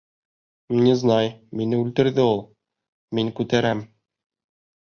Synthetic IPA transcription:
mnʲɘznɑjminɘʉlt̪ɘ̆ɾðɘulˠ | miŋkʉt̪æɾæm

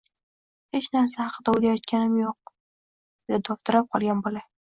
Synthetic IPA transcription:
het͡ʃnaɾsahɑqʰəd̪aʊlʲajɒt̪kʲanɪmjoq̚ | d̪ad̪ʰɒft̪ɪɾap̚qʰɒlˠɡʲanbola

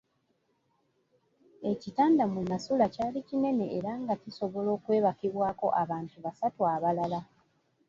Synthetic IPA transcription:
e̞citaːndamunasulacaːlicine̞ne̞ʔeɾaŋɡaciso̞βo̞lo̞ːkwe̞ːβakiβwaːko̞̰ʔaβaːntuβasatuaβalala

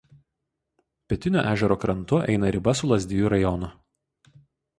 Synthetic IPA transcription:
pʲɛt̪ʲɪnʲo̰ːʔæːʒʲɛɾoːkɾɐnˑt̪ʊʔɛ̰ɪnɐɾʲɪbɐsʊlˠɐzʲd̪ʲɪjuˑɾɐjɔnʊ

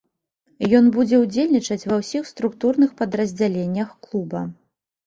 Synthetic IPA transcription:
jɔnbud͡zʲɛwd͡zʲelʲnʲit͡ʂɐt͡sʲvɐwsʲixst̪ɾukt̪urnɨxpɐd̪ɾɐzʲd͡zʲalʲenʲːɐxklˠubɐ

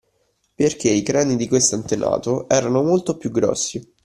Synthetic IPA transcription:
perkeikɾaːnid̪ikwest̪oant̪ena̰ːt̪oʔɛːɾanomolt̪opjuɡːɾɔ̰sːi

